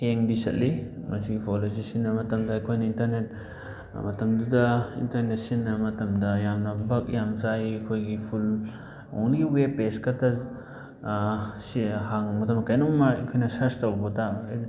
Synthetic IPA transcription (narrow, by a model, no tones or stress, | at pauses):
eŋdisɐ̰tlimɐsiɡipʰolos̬isinːɐmɐtɐmdɐɐjkʰojnɐintɐɾnet̚ | mɐtɐmdudɐḭntɐɾnet̚sinːɐmɐtɐmdɐjamnɐbɐk̚jamzajɐkʰojɡipʰul | o̰wnɡiwepeskɐtʰa | sihaŋmɐtɐmɐkɐjnɔŋmaɐkʰojnɐsɐstawbɔta